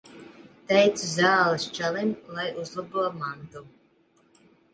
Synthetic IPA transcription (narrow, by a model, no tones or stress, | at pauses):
t̪ɛjt̪sɨzaːlˠɨst͡ʃalimlˠajʔuzlˠabuɔmant̪u